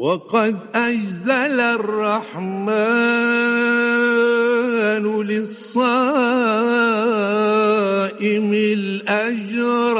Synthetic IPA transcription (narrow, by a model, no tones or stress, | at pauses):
wɑqɑd̪ʔad͡ʒzalarˤːɑħma | nlɪsˤːɑ | ʔɪmɪlʔad͡ʒɾɾ